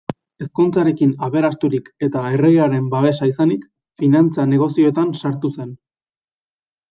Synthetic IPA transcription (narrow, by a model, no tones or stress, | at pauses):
e̞skunt͡saɾe̞kinaβe̞ɾast̪uɾike̞t̪ae̞re̞ɣeaɾe̞mbaβe̞saisanik | finant͡sane̞ɣ̞o̞sio̞et̪ansaɾt̪use̞n